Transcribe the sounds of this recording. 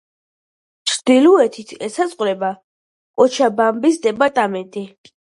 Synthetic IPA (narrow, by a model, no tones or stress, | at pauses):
t͡ʃʰɾd̪iluɛt̪ʰit̪ʰɛsasʼqʼɾɛba | kʼɔt͡ʃʰabambisd̪ɛpʼaɾt̪ʼamɛnt̪ʼi